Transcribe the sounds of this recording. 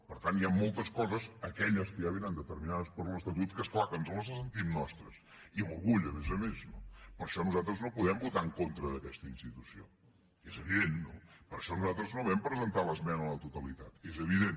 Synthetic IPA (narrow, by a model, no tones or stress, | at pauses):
pəɾt̪anjamːolˠt̪əskɔzəzəkɛʎəskəʒaβiɾand̪ət̪əɾminaðəspəɾləst̪ət̪ut̪skəsklakənsoləs̬əs̬ənt̪imnɔst̪ɾəs | iluɾɣuʎəmezəmesnopəɾʃɔnuzat̪ɾəznopuðɛmbut̪aŋkont̪ɾəðəkɛst̪əinst̪it̪usio̰ | ezəβiðenːopəɾʃɔnuzat̪ɾəznoβɛmpɾəzənt̪aləzmɛnələt̪ut̪əlit̪at̪ezəβ̞iðen